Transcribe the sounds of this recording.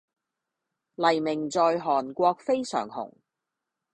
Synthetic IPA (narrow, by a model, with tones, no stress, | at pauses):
lɐ˨˩jmɪ˨˩ŋt͡sɔː˧jɦɔː˨˩nkʷɔː˧k̚fe˥jsœ̰ː˨˩ŋhʊ̰˨˩ŋ